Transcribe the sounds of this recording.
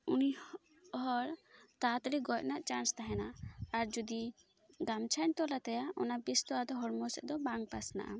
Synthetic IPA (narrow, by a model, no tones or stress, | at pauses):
uni | ɦɔɾt̪at̪ɾiɡɔcnaʔt͡ʃanst̪aɦɛnaːɾd͡ʒud̪i | ɡamt͡ʃʰant̪ɔlat̪ajaɔ̰nabist̪ɔad̪ɔɦɔɽmɔsɛʔ̚d̪ɔbaŋɡpasna̰ʔa̰